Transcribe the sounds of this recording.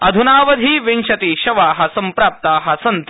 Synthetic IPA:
ɐd̪ʱunaːʋɐd̪ʱiːʋinʃɐt̪iːʃɐʋaːɦɐsɐmpɾaːp̚t̪aːɦɐsɐnt̪

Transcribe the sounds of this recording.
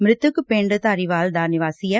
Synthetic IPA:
mɾɪt̪ːɯkːɯpeːɳɖɯt̪ɐɾɪʋaːld̪aːɾnjɐʋaːsɪjɐ

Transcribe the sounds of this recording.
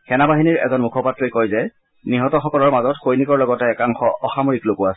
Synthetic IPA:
xɛnabaɦiniɹɛ̰zɔnmukʰɔpatɹikojzɛ | niɦɔtɔxɔkɔlɔɹmazɔtxojnikɔɹlɔɡɔtɛːkaŋxɔʔɔxamoɹiklokʊasɛ

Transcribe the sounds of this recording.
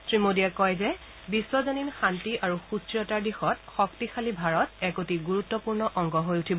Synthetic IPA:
tɹimodiɛkɔjzɛ | bisːɔzɔninxantiʔaɹuxusiɔtaɹdixɔtxɔktixʰalibʱaɹɔtɛkotiɡuɹutːɔpuɹnɔʔɔŋɡɔɦojutʰibɔ

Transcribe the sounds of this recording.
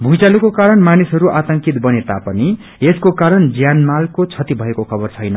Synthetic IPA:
bʱujt͡salukokaɾʌnmanisɦʌɾuʔat̪ʌŋkit̪bʌnet̪a̰pʌni | eskokaɾʌnd͡zjanmalkot͡sʰʌt̪ibʱʌekokʰʌbʌrt͡sʰʌjnʌ

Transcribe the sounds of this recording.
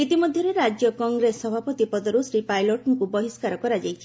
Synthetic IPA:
it̪imɔd̪ʱjɔɾeɾad͡ʒjɔkɔŋɡɾesɔbʱapɔt̪ipɔd̪ɔɾusɾipajloʈɔŋkubɔɦiskaɾɔkɔɾad͡ʒajtʰi̥

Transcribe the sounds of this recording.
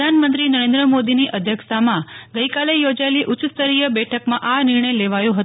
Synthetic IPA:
anmənt̪ɾinəɾẽnd̪ɾəmod̪iniʔəd̪ʱjəkst̪ʰamãɡəikalejod͡ʒaeliʔʊt͡ʃst̪əɾijəbɛʈʰəkmãʔanɪɾɳ̃əjleʋajũɦət̪

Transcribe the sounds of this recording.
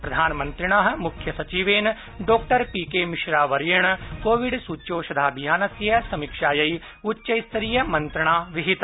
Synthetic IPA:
pɾɐd̪ʱaːnmɐ̃nt̪ɾɪɳ̃aːɦ̆mukʰjɐsɐt͡ʃiːʋeːn | ɖoːkʈɐɾpiːkeːmɪʃɾaːʋɐɾjɐɳ̃koːʋɪɖsuːt͡ʃoːʃɐd̪ʱaːbʱijaːnɐsjɐsɐmikʃaːjɐi | utːʃɐjst̪ɐɾiːjɐmɐ̃nt̪ɾɐɳ̃aːʋɪɦit̪

